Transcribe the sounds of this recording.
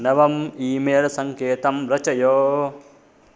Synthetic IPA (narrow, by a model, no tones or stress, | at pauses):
nɐʋɐmiːmeːlsɐŋkeːt̪ɐmɾɐt͡ʃɐjoː